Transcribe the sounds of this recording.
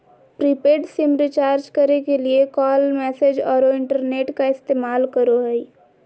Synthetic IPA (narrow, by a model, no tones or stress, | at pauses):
pɾiːpeːʈsimɾɪt͡ʃaːɾd͡ʒkəɾekeliekɔːlmɛːseːd͡ʒɔːɾoɪ̃ɳʈəɾneːʈkaɪst̪eːmaːlkəɾoɦɛi